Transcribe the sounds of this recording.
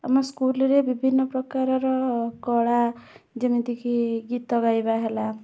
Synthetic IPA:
amɔskulɾebibʱinːɔpɾɔkaɾɔɾɔkɔɽa | d͡ʒemid̪ikʰiɡit̪ːɔɡajbaɦela

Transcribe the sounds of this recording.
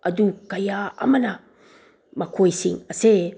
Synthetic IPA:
ɐdukajaa̰mana | makʰojsiŋɐse

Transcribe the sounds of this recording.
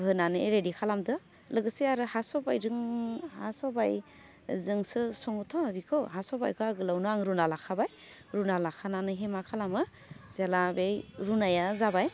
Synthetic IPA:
hɯnanɯɾedikʰalamdɯ | lɯɡɯsiaɾɯhasɔbajɾɯŋhasɔbaj | zɯŋsɯsɔŋɔtʰɔabikʰɯwɦasɔba̰jkʰɯaɡɯlawnɯaŋɾunalakʰabaj | ɾunalakʰananɯɦemakʰalamɯ | z̥elabejɾunajazabaj

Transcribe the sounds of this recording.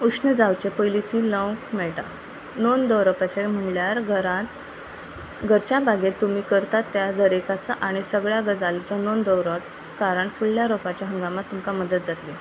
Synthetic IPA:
uʂnəd͡zawt͡ɕepəjlit̪ʰiːlə̃wkmɛɭʈa̰ | nond̪əwɾəpat͡ɕem̤əɳɭjaɾɡəɾat̪ | ɡʱəɾt͡ɕjabʱaɡet̪ːum̤iːkəɾt̪at̪ːjad̪əɾekat͡səʔaɽ̃isəɡɭjaɡəd͡zalit͡ɕjanond̪əwɾəʈ̚ | kaɾəɳfuɭːjaɾopat͡ɕjaɦə̃ŋɡamat̪ːumkaməd̪ət̪̚d͡zat̪li

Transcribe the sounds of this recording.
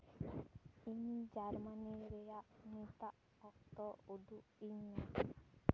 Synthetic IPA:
iɲd͡ʒaɾmaniɾɛjaʔnit̪aʔ | ɔk̚t̪ɔud̪uʔiɲːa

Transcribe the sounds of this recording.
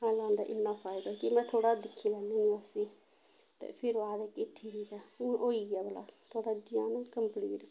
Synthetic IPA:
ɦãːlãːnd̪aʔɪnːafaːɪd̪akimɛ̃t̪ʰoːɽad̪ɪkʰːilɛːninəsi | t̪ɛ̰pʰɪɾʋaːd̪ɛkɪʈʰːibikɛʔoiɡɛbʱɐla̰t̪ʰoːɽad͡ʒijãːnãkəmplḭːʈ

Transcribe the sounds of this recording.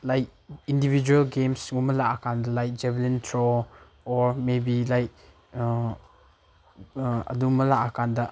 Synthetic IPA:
lajk̚indibid͡ʒuelɡemsŋumɐlaʔakʰandɐlajk̚d͡ʒɛblintʰɾɔ | ɔɾmebilajk̚ | ɐ̰dumɐlaʔakʰandɐ

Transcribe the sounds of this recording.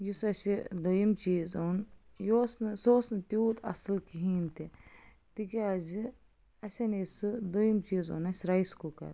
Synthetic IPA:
jusɐsid̪ujimt͡ʃiːzoːnjoːsnɨsoːsnɨt̪uːt̪ɐ̰sɨlkiɦiːnt̪i | t̪ikiazi | ɐsʲɐnɐsud̪ojimt͡ʃiːzo̰ːnɐsʲɾɐjskukɐ̰ɾ

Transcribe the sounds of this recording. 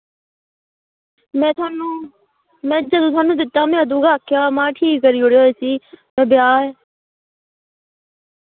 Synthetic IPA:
mɛ̃ːt̪ːnuː | mɛ̃ːd͡ʒəd̪õːt̪ʰwaːnũːd̪ɪt̪ːaːmɛ̃ːəd̪ũːɡaːkʰjaːmãːʈʰiːkːəɾiːoɽeoːeːsiːmɛ̃ːbjaːe

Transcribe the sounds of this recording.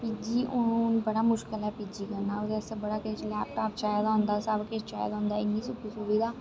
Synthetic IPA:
pid͡ʒiːʔʊnnbəɽaːmʊʃkɪlɛːpid͡ʒiːkəɾnaːʊd̪ɛsebəɽaːket͡ʃlɛːp̚ʈaːpt͡ʃaːjd̪aɦʊ̃nd̪aːsabket͡ʃaːjd̪õːnd̪aːɪnːiːsʊkːisobiːd̪aː

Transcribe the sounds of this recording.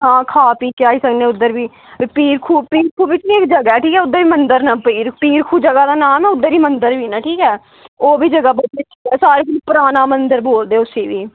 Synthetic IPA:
ɦãːkʰaːpiːkɪaːiːsəkd̪ẽːʊd̪ːəɾbiː | piːɾkʰuːpiːɾkʰuːbiːt̪niːekd͡ʒəɡaːɛːʈʰiːkɛːʊd̪ːəɾiːmənd̪əɾnãːpiːɾpiːɾkʰuːd͡ʒəɡaːd̪aːnaːmɛːʊd̪ːəɾiːmənd̪əɾʋʱiːnãːʈʰiːkɛː | oːbiːd͡ʒəɡaːbət͡ʃːeːʈʰiːkɛːsaːɾeːkolːpʊɾaːnaːmənd̪əɾboːld̪eːʊseːʋiː

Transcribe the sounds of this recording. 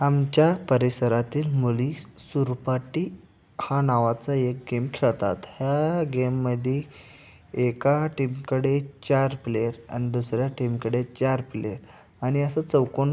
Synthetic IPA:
amt͡ɕjapəɾisəɾat̪iːlmulisuɾpaʈi | hanaʋat͡səek̚ɡemkʰeɭt̪a̰t̪hjaɡemːəd̪ʱe | ekaʈimkəɽet͡ɕaɾpleɾa̰ñid̪usɾjaʈimkəɽet͡ɕaɾpleɾ | aɽ̃iəsət͡səwkon

